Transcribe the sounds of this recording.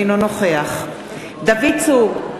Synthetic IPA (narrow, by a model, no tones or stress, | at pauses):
nonoχeaχ | d̪avit͡suʁ